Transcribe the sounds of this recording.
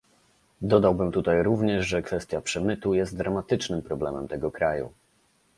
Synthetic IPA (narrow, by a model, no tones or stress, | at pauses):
d̪ɔd̪awbɘmt̪ut̪ajɾuvɲɛʐʐɛkfɛst̪ʲjapʂɛmɘt̪ujɛst̪̚d̪ɾamat̪ɘt͡ʂnɘmpɾɔblɛmɛmt̪ɛɡɔkɾajṵ